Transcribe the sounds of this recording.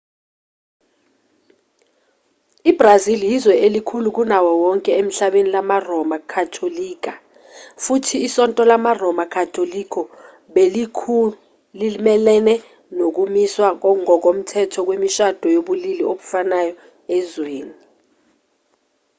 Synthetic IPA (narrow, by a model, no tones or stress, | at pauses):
ib̥raziljizwɛʔelikʰuluk̬unawɔwɔŋkʼɛem̩ɬaɓenilamarɔmakʰatʰoliːk̬ʼa | futʰiːsɔntʼɔlamarɔmakʰatʰolikʰʼɔ | ɓelikʰ | limɛlɛnɛ | nok̬umiswak̬ɔŋɔk̬om̩tʰɛtʰɔk̬wemiʃad̥ʱɔjoɓulilioku̥fanajɔ | ɛzweːni